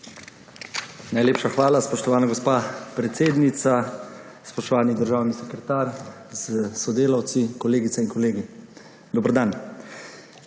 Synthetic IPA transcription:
najleːpʃaxʋaːlaspɔʃt̪ɔʋaːnaɡɔspaːpɾɛt̪seːd̪nit̪sa | spɔʃt̪ɔʋaːnid̪əɾʒaːwnisɛkɾɛt̪aːɾ | zsɔd̪eːlawt̪sikɔleːɡit̪sɛiŋkɔleːɡi | d̪ɔbɾd̪an

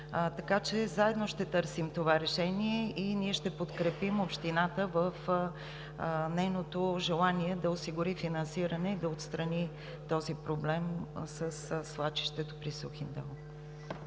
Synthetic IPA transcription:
t̪ɐkat͡ʃɛzaɛd̪noʃt̪ɛt̪ɤɾsimt̪ovaɾɛʃɛniɛiniɛʃt̪ɛpot̪kɾɛpimopʃt̪inat̪əvəf | nɛjnot̪oʒɛlˠaniɛd̪ɐosiɡʊɾifinɐnsiɾənɛid̪ɐot̪st̪ɾəni | t̪ɔzipɾoblɛmsəsslˠat͡ʃi̥ʃt̪ɛt̪opɾisuxind̪ɛ̰lˠ

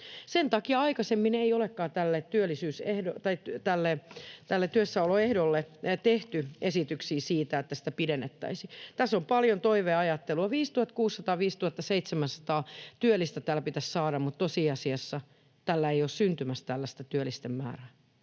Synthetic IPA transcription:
sent̪ɑkiɑɑikɑsemːineiolekːɑːt̪ælːet̪t̪yølːˑisyːsehdot̪ɑit̪ælːet̪ælːet̪yøsːæoloehdolːet̪eht̪yesit̪yksiːsiːt̪æet̪ːæsi̥t̪æpidenːet̪ːæ̰isit̪æsːompɑljont̪oiʋeɑjɑt̪ːeluɑʋiːst̪uhɑt̪kuːsːɑt̪ɑːʋiːst̪uhɑt̪ːɑseit̪semænsɑ̥t̪ɑːt̪yølːˑist̪æt̪æːlpit̪æssɑːɾɑmmut̪t̪osiːɑsiɑsːɑ | t̪ælːæeiossynt̪ymæst̪ælːæst̪æt̪yølist̪emmæ̰ːræː

